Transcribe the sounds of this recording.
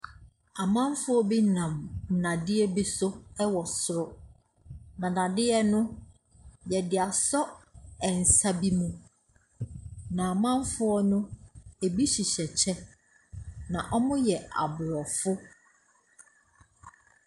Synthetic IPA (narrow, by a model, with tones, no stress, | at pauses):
a˨mã˦m˦fʊ˦ɔ˦bi˦nã˨mn̩˨nã˨dɪ˦ɛ˦bi˦sʊ˦ɛ˦wɔ˨sʊ˦ɾʊ˦ | nã˨nã˨dɪ˦ɛ˦nʊ̃˦ | jɛ˨dɪ˨a˨sɔ˦ɛ˨n̩˨sa˦bi˦mũ˦ | nã˨a˨mã˦m˦fʊ˦ɔ˦nʊ̃˦e˨bi˦ɕi˨ɕɛ˨t͡ɕʰɛ˦ | nã˨ʔɔ˦mʊ̃˦jɛ˨a̰˨bʊ˨ɾɔ˨fʊ˦